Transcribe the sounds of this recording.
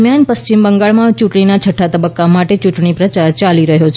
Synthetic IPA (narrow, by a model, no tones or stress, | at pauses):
mjanpəst͡ʃimbəŋɡaɭmãt͡ʃuʈɳinat͡ʃʰəʈʰːat̪əbəkːamaʈet͡ʃuʈɳipɾət͡ʃaɾt͡ʃaliɾəɦot͡ʃʰ